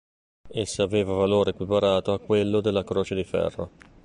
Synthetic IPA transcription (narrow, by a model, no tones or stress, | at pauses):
esːaveːvavaloːɾekwipaɾaːt̪oakːwelːod̪elːakɾoːt͡ʃed̪ifɛ̰rːo